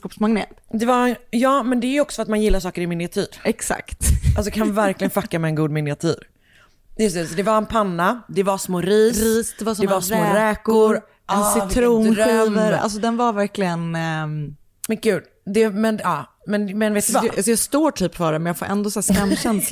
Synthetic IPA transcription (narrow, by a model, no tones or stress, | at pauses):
skɔpsmaŋɡnḛːt̪d̪ɛvajɑːmɛnd̪ɛæɾjɔksɔ̥fat̪manjɪlːaʂɑːkəɾɪmɪnɪat̪ʰiːɾɛksa̰kt̪als̬ɔkʰanvæɾklɪɡənfakːamɛːnɡuːd̪mɪnɪat̪ʰḭːɾ | jɵst̪ɛsɔd̪ɛvaɾɛnpʰanːad̪ɛvasmoːɾiːsɾiːsd̪ɛvasɔd̪ɛvasmoːɾɛːkʊɾ | ɛnsɪt̪ʰɾuːniːvəɾa̰ls̬ɔd̪ɛnvaɾvæɾklɪɡən | mɛnkʉ̟ːd̪ | d̪ɛmɛnɑː | mɛnmɛnveːtd̪vaas̬ɔjɑːɡst̪oːʈʰyːpfœːɖɛmɛnjaɡfo̰ːɾʔɛ̰nd̪osæːskamːɕɛnsla